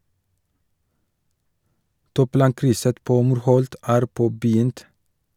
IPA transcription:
ˈtuːˌplɑːŋkɾʏsə ˈpoː ˈmuːɾˌhɔlt ˈæːɾ ˈpoːbəˌjʏnt

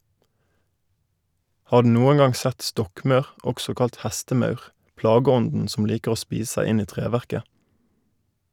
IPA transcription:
ˈhɑː ˈɖʉː ˈnuːən ˈɡɑŋ ˈsɛt ˈstɔkˌmɑʉʁ ˈɔksɔ ˈkɑlt ˈhæstəˌmɑʉʁ ˈplɑːɡəˌɔndn̩ sm̩ ˈliːkəʁ ˈoː ˈspiːs ˈsæɪ ˈɪn ˈiː ˈtʁeːʋæʁkə

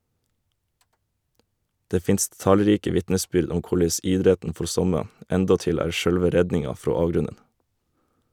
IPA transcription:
ˈdeː ˈfɪnst ˈtɑlˌɾiːkə ˈʋɪtnəˌsbʏɾd ˈʊm ˈkʊɭeɪs ˈɪdɾɛtn̩ ˈfɔɾ ˈsɔmə ˈɛndɔˌtɪl ˈæːɾ ˈʃœlʋə ˈɾɛdnɪŋɑ ˈfɾoː ˈɑːʋˌɡɾʉnən

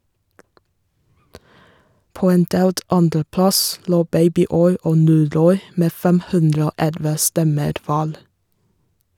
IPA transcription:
ˈpoː ˈeːn ˈdeːlt ˈɑndɾəˌplɑs ˈloː ˈbeɪbɪˌɔʏ ˈoː ˈnuːˌɾɔʏ ˈmeː ˈfɛm ˈhʉndɾə ˈoː ˈɛlʋə ˈstɛməɾ ˈʋæːɾ

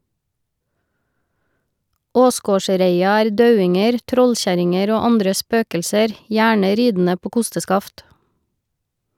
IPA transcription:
ˈoːˌsɡoːˌʃɾeɪɑ ˈæːɾ ˈdɑʉɪŋəɾ ˈtɾɔlˌçæɾɪŋəɾ ˈoː ˈɑndɾə ˈspøːkəlsəɾ ˈjæːɳə ˈɾiːdn̩ə ˈpoː ˈkʊstəˌskɑft

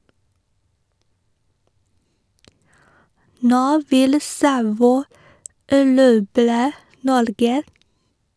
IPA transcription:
ˈnoː ˈʋɪl ˈsɑʋɔʏ æˈɾuːbɾə ˈnɔɾɡə

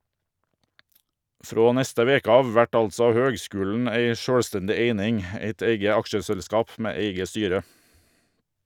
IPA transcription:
ˈfɾoː ˈnɛstə ˈʋeːkə ˈɑːʋ ˈʋæʈ ˈɑlsɔ ˈhøːɡˌskʉːln̩ ˈæɪ ˈʃøːlˌstɛndɪ ˈeɪnɪŋ ˈeɪt ˈeɪɡə ˈɑkʃəsɛlˌskɑːp ˈmeː ˈeɪɡə ˈstyːɾə

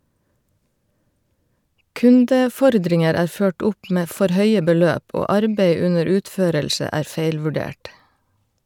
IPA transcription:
ˈkʉndəˌfɔɾdɾɪŋəɾ ˈæːɾ ˈføːʈ ˈʊp ˈmeː ˈfɔɾ ˈhœʏə bəˈløːp ˈoː ˈɑɾbæɪ ˈʉnəɾ ˈʉːtˌføːɾɛlʃə ˈæː ˈfæɪlʋʉɖeːʈ

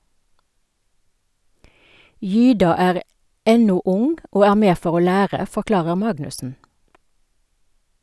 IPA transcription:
ˈjyːdɑ ˈæːʁ ˈɛnʊ ˈʊŋ ˈoː ˈæː ˈmeː ˈfɔʁ ˈoː ˈlæːʁə fɔˈklɑːʁəʁ ˈmɑɡnʉsn̩

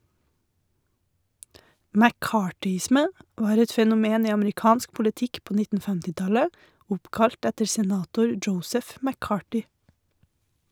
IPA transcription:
mæˈkɑːʈʏˌɪsmə ˈʋɑːɾ ˈɛt fɛnʊˈmeːn ˈiː ɑmɾɪˈkɑːnsk pʊləˈtɪk ˈpoː ˈnɪtn̩ ˈhʉndɾə ˈoː ˈfɛmtɪˌtɑlə ˈʊpkɑʎt ˈɛtəɾ sɛˈnɑːtʊɾ ˈd͡ʒəʊsəf mæˈkɑːʈʏ

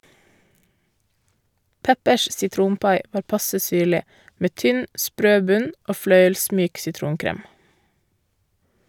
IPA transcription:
ˈpɛpəʃ sɪˈtɾuːnˌpɑɪ ˈʋɑːɾ ˈpɑsə ˈsyːɭɪ ˈmeː ˈtʏn ˈspɾøː ˈbʉɲ ˈoː ˈflœʏəlˌsmyːk sɪˈtɾuːnˌkɾeːm

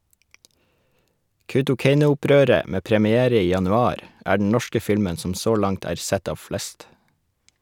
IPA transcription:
kɑʉtʊˈkeɪnʊʊˌpɾøːɾə ˈmeː pɾəmɪˈeːɾə ˈiː jɑnʉˈɑːɾ ˈæː ɖɳ̩ ˈɳɔʃkə ˈfɪlmən ˈsɔm ˈsoː ˈlɑŋt ˈæːɾ ˈsɛt ˈɑːʋ ˈflɛst

